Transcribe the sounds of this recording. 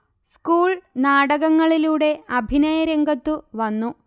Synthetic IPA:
skuːɭnaːɽɐɣɐŋːɐɭiluːɽe̞ɐbʱinɐjɐɾɐŋɡɐt̪ːuʋɐnːu

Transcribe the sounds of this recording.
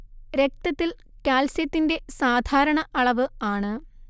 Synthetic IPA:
ɾe̞k̚t̪ɐt̪ːil | kaːlsjɐt̪ːinde̞saːd̪ʱaːɾɐɳɐʔɐɭɐʋɨaːɳɨ

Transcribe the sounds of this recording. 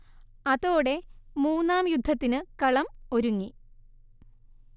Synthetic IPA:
ɐðoːɽe̞muːnːaːmjud̪ʱːɐt̪ːinɨkɐɭɐmo̞ɾuŋːi

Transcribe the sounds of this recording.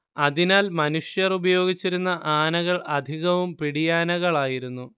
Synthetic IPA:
ɐðinaːlmɐnuʂjɐrubɐjo̞ːɡit͡ɕːiɾunːɐʔaːnɐɣɐɭɐd̪ʱiɣɐʋumpiɽijaːnɐɣɐɭaːjiɾunːu

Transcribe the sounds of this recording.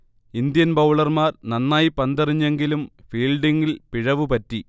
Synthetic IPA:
ind̪jɐnbɐwɭɐrmaːrnɐnːaːjipɐnd̪ɐriɲːe̞ŋɡilumfiːlɖiŋɡilpiɻɐʋɨpɐtːi

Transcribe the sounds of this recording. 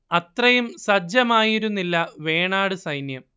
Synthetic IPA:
ɐt̪rɐjumsɐd͡ʑjɐmaːjiɾunːilːɐʋe̞ːɳaːɽɨsɐjnjɐm

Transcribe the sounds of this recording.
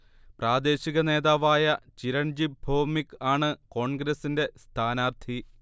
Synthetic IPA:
praːd̪e̞ːɕiɣɐne̞ːðaːʋaːjɐt͡ɕiɾɐɳd͡ʑibʱoːmikːaːɳɨko̞ːɳɡɾɐsinde̞st̪ʰaːnaːrt̪ʰi

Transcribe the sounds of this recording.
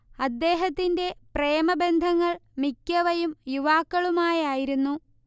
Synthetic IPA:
ɐd̪ːe̞ːɦɐt̪ːinde̞pre̞ːmɐbe̞nd̪ʱɐŋːɐɭmikʲːɐʋɐjumjuʋaːkːɐɭumaːjaːjiɾunːu

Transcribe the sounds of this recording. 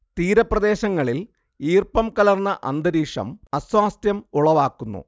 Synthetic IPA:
t̪iːɾɐprɐd̪e̞ːɕɐŋːɐɭil | iːrpɐmkɐlɐrnːɐʔɐ̰nd̪ɐɾiːʂɐ̰mɐsʋaːst̪jɐmuɭɐʋaːkːunːṵ

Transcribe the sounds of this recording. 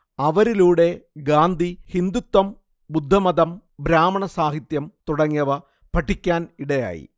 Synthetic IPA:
ɐʋɐɾiluːɽe̞ɡaːnd̪ʱihind̪ut̪ːɐm | bud̪ʱːɐmɐd̪ɐm | bɾaːmɐɳɐsaːɦit̪jɐmt̪uɽɐŋːijɐʋɐ | pɐʈʰːikʲːaːniɽɐja̰ːjḭ

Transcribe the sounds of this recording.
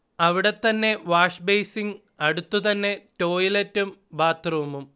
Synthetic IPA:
ɐʋiɽe̞t̪ːɐnːe̞ʋaːʂbejsiŋ | ɐɽut̪ːut̪ɐnːe̞to̞ːjiletːumbaːt̪rɐʋumum

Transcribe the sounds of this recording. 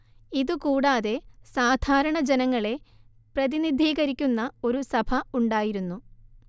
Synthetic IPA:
iðukuːɽaːðe̞saːd̪ʱaːɾɐɳɐd͡ʑenɐŋːɐɭe̞ | prɐðinid̪ʱiːɣɐɾikʲːunːɐo̞ɾusɐbʰʱɐuɳɖaːjiɾunːu

